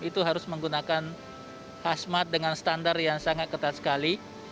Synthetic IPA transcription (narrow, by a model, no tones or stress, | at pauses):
it̪uɦaɾʊsməŋɡunakan | hasmat̪̚dəŋansə̥t̪andarjaŋsaŋat̪̚kət̪at̪̚sə̥kali